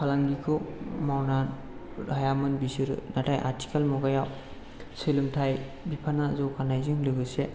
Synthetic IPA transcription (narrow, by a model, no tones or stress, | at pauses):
kʰalaŋɡikʰɯwmawnan | dʱajamɯnbisɯɾɯ̰natʰajʔa̰ɾtʰi̥kʰalmɔɡajaw | selɯmtʰaj | bipʰanazɔkʰanajzɯŋlɯɡɯse